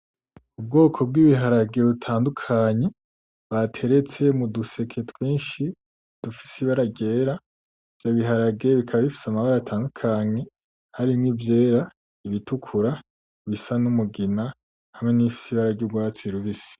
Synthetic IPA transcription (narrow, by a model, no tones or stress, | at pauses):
ub̚ɡo̞ːkʰo̞b̚ɡiβiɦaɾaɡe̞βutʰaːndukʰaɲe | βatʰe̞ɾe̞t͡se̞muduse̞kʰe̞twiːnʃi | d̥ufi̥siβaɾaɟe̞ːɾa | vjaβiɦaɾaɡe̞βikʰaβaβifi̥samaβaɾaatʰaːndukʰaɲe̞ | haɾimŋivje̞ːɾa | iβitukʰuɾa | βisanumuɡina | hamŋe̞nifi̥siβaɾaɟuɡwaːt͡siɾuβisi̥